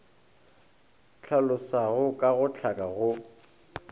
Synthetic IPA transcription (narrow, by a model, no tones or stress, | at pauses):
t͡ɬʰalʊsaɣʊkʼaɣʊt͡ɬʰakʼaɣʊ